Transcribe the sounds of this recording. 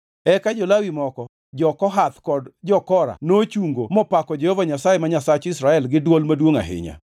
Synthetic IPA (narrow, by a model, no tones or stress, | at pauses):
ɛkad͡ʒɔlawimɔkɔ | d͡ʒɔkɔɦat̪kɔdd͡ʒɔkɔɾa̰not͡ʃuŋɡomɔpakɔd͡ʒehovaɲasajemaɲasat͡ʃɪsɾaɛlɡɪdwolmadwoŋa̰ɦɪ̰ɲa̰